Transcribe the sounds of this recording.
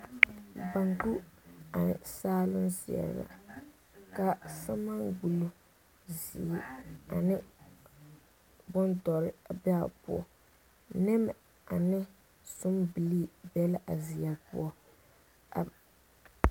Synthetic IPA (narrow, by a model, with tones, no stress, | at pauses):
ba˨ŋku˦a̰˨saː˦lʊ˦nsi˨ɛ̰˨ɾ̰la̰˨ | ka˦sa˦ma˦ŋɡu˨lo˦ | zḭ˨i˦a˨nɪ˦ | bʊ˦ntɔ˨ɾɪ˦˨bɛ˦a̰˨pṵ˦ɔ˨ | nɛ˦m˨ | a˨nɪ˦ | sʊ˦mbi˨li˦bɛ˦la˦ʔa˨zɪ˨ja˨pʊ̰˦ɔ˦ | a˨